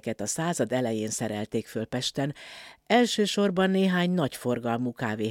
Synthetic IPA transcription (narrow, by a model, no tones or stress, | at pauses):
kɛt̪ɒsaːzɒd̪ɛlɛjeːnsɛɾɛlt̪eːkfølpɛʃt̪ɛnɛlʃøːʃo̞rbɒnːeːɦaːɲnɒcfo̞rɡɒlmukaːveː